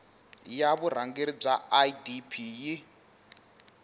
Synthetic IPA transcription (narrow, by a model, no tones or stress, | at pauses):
jaβuɾ̤aŋɡeɾib͡ʐaaidipʰiji